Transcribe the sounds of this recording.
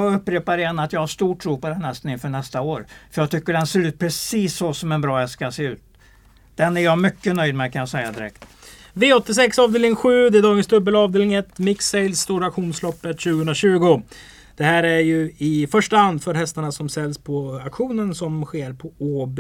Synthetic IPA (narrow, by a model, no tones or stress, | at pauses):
ɑɵpːɾeːpaɾɛɛnːat̪jɑhaʂt̪uːʈʰɾuːpɔd̪ɛnhɛst̪ənɪnfœːɳɛst̪aoːɾfœjɑt̪ʰʏkːəɖɛnseːɾʉ̟ːt̪̚pʰɾɛsiːsːɔsɔmɛnbɾɑːjɑskaseːʉ̟ːt̪ | d̪̥ɛnæɾjamʏkːənœʏjd̪mɛkʰanjasɛjːad̪ɪɾɛ̰k̚t̪ | veːɔt̪ːɪs̬ɛksɑːvd̪eːlɪŋɧʉ̟ːd̪ɛd̪ɑːɡənsd̪ɵbːəlɑːvd̪eːlɪŋɛt̪ːmɪkseɪlsːt̪uːɾakɧuːnslɔpːət̪ɕʉ̟ːɡəɵnɾaɕʉ̟ːɡʊ | d̪̥ɛhæːɾæɾjɵɪfœʂʈahand̪fœɾhɛst̪aɳasɔmsɛlːspʰɔakɧuːnənsɔmɧeːɾpʰɔoːb